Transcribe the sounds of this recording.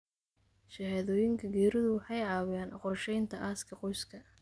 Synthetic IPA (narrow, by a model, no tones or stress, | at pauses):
ʃɐhɛːðɔːjɪŋkʰɐɡɛːɾɪðʊwɑħɑjʕɑːwɪjaːnʔɑqɔrʃɛjnt̪ʰɐʔaːskʰɐqɔjskʰɐ